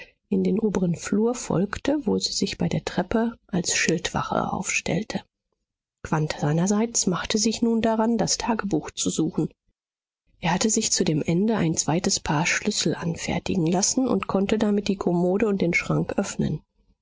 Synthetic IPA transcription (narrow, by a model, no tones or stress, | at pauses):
ʔɪndeːnʔoːbəʁənfluːɐfɔ̰lktʰəvoːziːzɪçb̥aɪdeːɐtʁ̥ɛpəʔalsʃɪltv̥a̰χɐ̰ʔa̰ʊfʃtɛ̰ltʰə | kv̥antz̥aɪnɐzaɪt͡smaχtəzɪçnuːndaʁandastʰaːɡəbuːxt͡suzuːxn̩ | ʔeːɐhatəzɪçt͡sudeːmʔɛndəʔa̰ɪnt͡sv̥aɪtəspʰaːɐʃlʏsl̩ʔanfɛ̰ɐtɪ̰ɡŋ̩lasn̩ʊ̰ntkʰɔntədamɪt̚d̥iːkʰɔmoːdəʊnt̚d̥eːnʃʁ̥aŋkʔœfnə̰n